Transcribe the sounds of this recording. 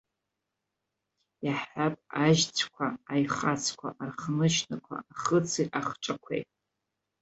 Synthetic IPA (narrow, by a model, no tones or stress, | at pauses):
jaħapʼaʒt͡sʷʰkʷʰaajχat͡sʰkʷʰa̰ʔarχnɨʃnakʷʰa̰aχət͡sʰiʔaχʈ͡ʂʼakʷʰḛjtʼ